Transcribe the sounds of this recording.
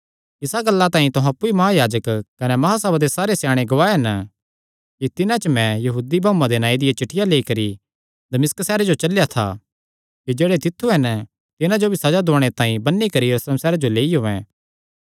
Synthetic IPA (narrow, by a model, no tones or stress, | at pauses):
ɪsaɡɐlːat̪aːĩt̪oɦãɐpːuimɐɦajaːd͡ʒəkkɐnemɐɦasɐbad̪esaːɾesjaːɽ̃eɡoaːeɦɐn | kit̪ɪnãt͡ʃəmɛ̃jɐɦuːd̪ibʱãːũːãd̪enãːid̪ɪjat͡ʃɪʈʰɪjaleːikɐɾi | d̪ɐmɪsksɛːɾed͡ʒot͡ʃɐljat̪ʰa̰ | kid͡ʒeːɽet̪ɪt̪ʰːuɦɐn | t̪ɪnãd͡ʒobʱisɐd͡ʒad̪oːɽ̃et̪ãːĩbɐnːikɐɾijɐɾusləmsɛːɾed͡ʒoleːiɦoːɛ̰̃ː